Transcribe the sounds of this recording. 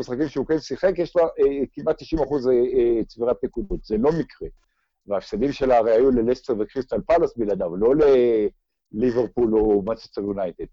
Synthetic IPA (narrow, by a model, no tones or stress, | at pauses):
misχakimʃeukensiχe̞kjeʃlakimat̪ːiʃimaχuzet͡sviʁat̚pekud̪ot̪zelo̞mikʁe | veafsad̪imʃe̞laʁeajulelest̪evekʁist̪alpalasbilad̪avlo̞le̞ | liveʁpulo̞mat͡ʃest̪eʁjunajt̪ed̪̥̚